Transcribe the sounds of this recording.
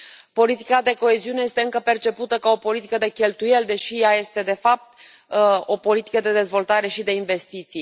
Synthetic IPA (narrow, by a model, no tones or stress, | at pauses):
po̞lit̪ikad̪e̞ko̞e̞ziune̞je̞st̪eɨŋkəpe̞rt͡ʃe̞put̪əkao̞po̞lit̪i̥kəd̪e̞kʲe̞lt̪uje̞ld̪e̞ʃijaje̞st̪e̞d̪e̞fap̚t̪̚ | o̞po̞lit̪i̥kəd̪e̞d̪e̞zvo̞lt̪aɾe̞ʃid̪e̞inve̞st̪it̪sij